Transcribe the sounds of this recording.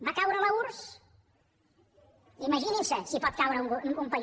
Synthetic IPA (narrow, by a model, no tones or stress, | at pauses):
bakawɾələuɾs | imɐʒininsəsipɔt̪̚kawɾəuŋuŋkumpə